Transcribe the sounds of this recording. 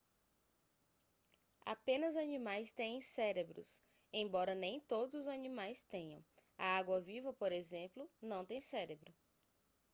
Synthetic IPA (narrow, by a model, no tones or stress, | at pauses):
a̰pẽnɐzanĩmajst̪ẽj̃ẽj̃sɛɾebɾʊ̰s | ẽj̃bɔɾɐnẽj̃t̪od̪ʊzʊzanĩmajst̪ẽɲɐ̃w̃ɐaɡwɐvivɐpoɾezẽplʊnɐ̃w̃t̪ẽj̃sɛɾebɾʊ